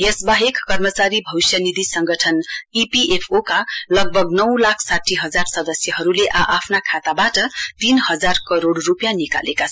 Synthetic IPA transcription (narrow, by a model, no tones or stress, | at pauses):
jesbaɦekːʌrmʌt͡saɾibʱʌwsjʌnid̪ʱisʌŋɡʌʈʰʌnipiʔepʰokalʌɡ̚bʱʌɡnʌwlakʰsaʈʰːiɦʌd͡zarsʌd̪ʌsjʌɦʌɾuleʔaʔapʰnakʰat̪abaʈʌt̪inhʌd͡zarkʌɾoɽrupjanika̰lekat͡sʰ